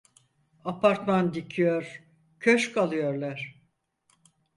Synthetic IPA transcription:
apʰaɾt̪mand̪icʰijoɾ̥ | cʰøʃkʰalˠɯjoɾlˠaɾ̥

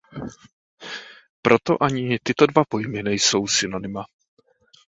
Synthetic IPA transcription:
pɾo̞t̪o̞̰ʔaɲɪt̪ɪt̪o̞dvapo̞jmɪnɛjso̞wsɪno̞nɪma

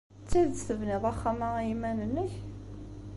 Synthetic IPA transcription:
t͡sːiðθəvnɪðˤɑχːæmaimænənːəç

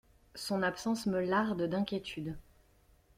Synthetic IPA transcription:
sɔ̃napsɑ̃sməlaʁd̪d̪ɛ̃kʲjet̪ʰyd̪

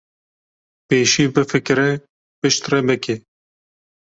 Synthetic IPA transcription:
peːʃiːbɨfɨkɾɛ | pɨʃt̪rɛbɨkʰe

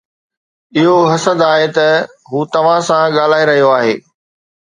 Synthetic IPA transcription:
ɪɦoɦɐsəd̪aːɦet̪ɐ | ɦuːt̪ɐʋ̤ãsãɠaːl̤aːiɾɐɦijoaːɦḛː

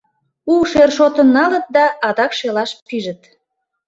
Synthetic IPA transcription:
uʃerʃot̪ənːɑlət̪̚d̪ɑɑd̪ɑkʃelɑʃpiʒət̪

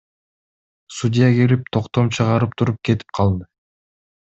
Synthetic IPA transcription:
sudʲɪjakelip̚t̪ʰo̞qt̪o̞mt͡ʃʰɯʁɑɾɯp̚t̪ʰuɾup̚ke̞t̪i̥p̚qʰɑlˠd̪ɯ

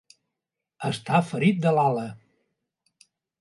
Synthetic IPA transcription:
əst̪afəɾit̪̚d̪əlalə

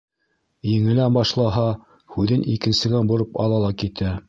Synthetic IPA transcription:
jɘ̆ŋɘ̆lænbɑʃlˠɑɦɑ | hʉðɘnʔḭkɘ̆nsɘ̆ɡæbŏɾɤpɑ̰lˠɑlˠɑkit̪æ

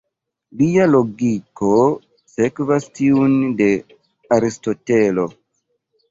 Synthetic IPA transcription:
lijaloɡiko | sekvastʰiunde | aɾistotelo

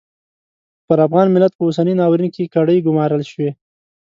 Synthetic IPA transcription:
pəɾafɣɑnmɪlːat̪̚pəʊsaninɑwɾinkekaɽəjɡʊmɑɾəlʃwe

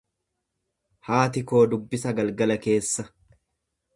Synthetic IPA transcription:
haːt̪ɪko̞ːd̪ʊbːɪsɐɡɐlɡɐlɐke̞ːsːɐ

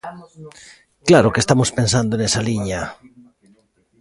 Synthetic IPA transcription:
klaɾokest̪amospens̬and̪oenesaliɲa

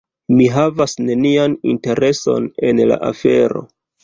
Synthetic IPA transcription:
miɦavasne̞nianḭnte̞ɾe̞so̞ne̞nla̰ʔa̰fe̞ɾo̞̰

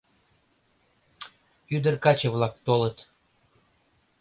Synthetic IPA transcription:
yd̪ə̆rkɑt͡ɕəvlɑk̚t̪olət̪

